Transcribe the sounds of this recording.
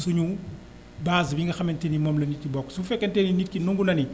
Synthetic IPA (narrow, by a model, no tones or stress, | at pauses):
suɲu | baːzbiŋɡɐxɐmɛntɛnimɔmlɐnit̚kibɔkːsufɛkːɐntɛninit̚kinuŋɡunɐni